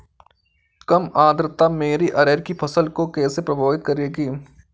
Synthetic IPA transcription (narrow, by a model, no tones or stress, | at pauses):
kɐmaːd̪ɾt̪ameːɾiʔɐɾeːɾkipʰɐsəlkokɛːsepɾɐbʱaːʋɪt̪̚kɐɾeːɡiː